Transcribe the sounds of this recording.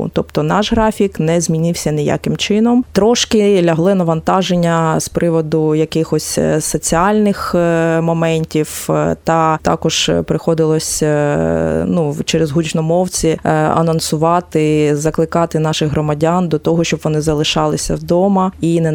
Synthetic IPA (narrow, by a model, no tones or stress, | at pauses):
t̪ɔpt̪ɔnɑʒɦɾɑfʲiknɛzʲmʲinʲɪwsʲɐnʲɪja̰kɪmt͡ʃɪnɔmt̪ɾɔʃkɪlʲɐɦlˠɪnɐʋɐnt̪ɑʒenʲːɐspɾɪʋɔd̪ʊjɐkɪxɔsʲsɔt͡sʲiɑlʲnɪxmɔmɛnʲtʲiwt̪ɐt̪ɑ̰kɔʒ̥pɾɪxɔd̪ɪlˠɔsʲ | nut͡ʃɛɾezɦut͡ʃnɔmɔwt͡sʲiɐ̰nɔnsʊʋɑt̪ɪzɐklˠɪkɑt̪ɪnɑʃɪxɦɾɔmɐdʲand̪ɔt̪ɔɦɔʃt͡ʃɔbʋɔnɪzɐlˠɪʃɑlˠɪsʲɐd̪ɔmɐinɛ